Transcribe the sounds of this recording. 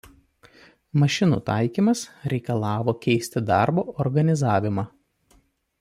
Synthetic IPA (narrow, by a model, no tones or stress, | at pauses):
mɐʃʲɪnṵːt̪ɑˑɪkʲiːˑmɐsɾʲɛɪkɐlˠɑːʋoːkʲɛɪsʲt̪ʲɪd̪ɑ̰ˑɾboːʔɔɾɡɐnʲɪzɑːʋʲɪmɑː